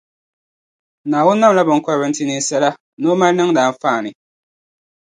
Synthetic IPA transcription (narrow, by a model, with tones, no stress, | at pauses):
naː˨wʊ˦nːa˦m˨la˦bɔ˨ŋ˨kɔ˦ɾbɛ˨n˦ti˦ni˦sɛ˦la˦ | noː˦ma˦lnɨ˦ŋdaː˨˦m˦faː˦˨nɪ˨